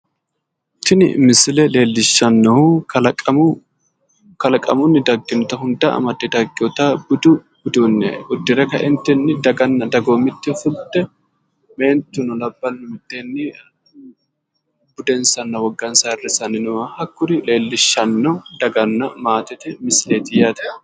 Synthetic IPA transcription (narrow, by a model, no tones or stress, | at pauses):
t̪ːɪnɪ̰mɪsɪlɛle̞ːlːɪʃːɐnːɔʊɐlʼ | kɐlɐkʼɐmʊnːɪd̪ɐɡːɪnʊt̪ɐɦʊnd̪ɐʔɐ̰mɐt̪ːɪd̪ɐɡɪɔt̪ɐbʊd̪ʊ | bʊd̪unːɛ̰ʔʊd̪ːɪɾɛkɐʔɪnt̪ːɛnːɪd̪ɐɡɐnːɐd̪ɐɡoːmɪt̪ːɪfʊlt̪ːɛ | me̞ːnt̪ːʊnɔlɐbːɐnːʊmɪt̪ːɛnːɪ | bʊd̪ɛnsɐnːɐwɔɡːɐnsɐɪrːɪsɐnɪnʊwɐhɐkːʊɾɪle̞ːlːɪʃːɐnːɔd̪ɐɡɐnːɐmaːt̪ɪt̪ɛmɪsleːt̪ɪjaːt̪ɛ̥